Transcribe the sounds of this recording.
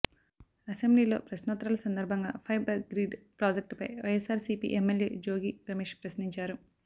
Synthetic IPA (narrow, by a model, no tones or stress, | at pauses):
ɐsembliːlo̞̰ːpɾɐʃnot̪ɾaːlɐsɐnd̪ɐɾbʱɐŋɡa̰ːpʰɐjbɐɡɾiːɖpɾaːd͡ʒek̚ʈpɐ̰jʋɐjesaːɾsiːpḭːʔemːeljḛːd͡ʒo̞ːɡiːɾɐmeːʂpɾɐsniɲt͡ʃaːɾu